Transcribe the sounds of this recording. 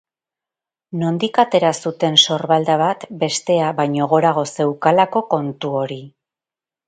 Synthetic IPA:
no̞nd̪ikat̪e̞ɾasut̪e̞nso̞ɾβald̪aβ̞at̪be̞st̪e̞aβajɲo̞ɣ̞o̞ɾaɣ̞o̞se̞wkalako̞ko̞nt̪uo̞ɾi

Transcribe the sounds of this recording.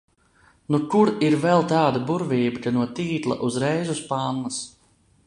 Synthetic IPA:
nukuɾiɾvɛlˠt̪aːd̪abuɾviːbakanuɔt̪iːt̪lˠa̰ʔuzɾɛjzuspanːɨs

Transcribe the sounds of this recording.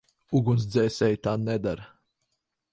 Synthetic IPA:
uɡuns̬d̪zɛːsʲɛjt̪aːnɛd̪aɾ

